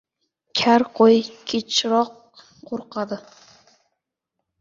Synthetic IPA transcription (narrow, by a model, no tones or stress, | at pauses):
kʲʰæɾqʰojkʲʰet͡ʃʰɾɔqː | oɾqɑd̪ɨ